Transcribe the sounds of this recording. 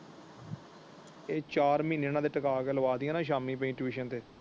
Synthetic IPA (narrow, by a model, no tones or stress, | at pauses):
eːt͡ʃaːɾmĩːneːnãːd̪eːʈəkaːkeːləʋaːd̪ijãːnãːʃaːmnĩːpə̃ĩːʈʋiːʃənt̪eː